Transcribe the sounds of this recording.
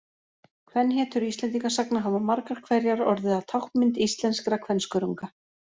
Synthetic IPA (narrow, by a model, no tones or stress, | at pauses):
kʰvɛnːɦɛːt̪ʏɾist̪lɛnt̪̬iŋkasaknaɦavamaɾkaɾ̥kʰvɛɾjaɾɔɾðʏḁt̪ʰawhpmɪnt̪ist̪lɛnskɾakʰvɛnskʏɾuŋka